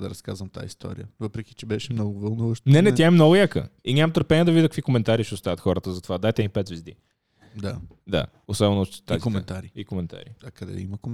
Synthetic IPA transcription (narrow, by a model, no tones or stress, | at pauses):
d̪ɐɾɐska̰zvəmt̪a̰jist̪ʰɔ̰ɾḭjə̰vɤpɾɛki̥t͡ʃɛbɛʃɛmnɔɡʊvɐlˠnuvəʃt̪nɛnɛt̪jaɛmnɔɡʊjakə̰inʲamt̪əɾpɛniəd̪ɐvid̪əkəkvikomɛnt̪aɾiʃɛʊst̪avɐt̪xɔɾət̪əzɐt̪ovad̪ajt̪ɛnipɛt̪vizd̪ḭ | d̪a | d̪a̰ | osɔbɛnʊt̪t̪t̪azikomɛnt̪aɾiikomɛnt̪a̰ɾḭɐkɐd̪ɛ̰ḭməko